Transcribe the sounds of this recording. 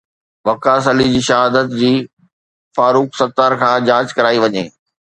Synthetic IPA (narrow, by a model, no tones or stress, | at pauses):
ʋɐkaːs̬əlid͡ʑiːʃɐɦaːd̪ət̪d͡ʑiː | faːɾuːksɐt̪aːɾkʰãːd͡ʑaːd͡ʑkɐɾaːiʋɐɲḛː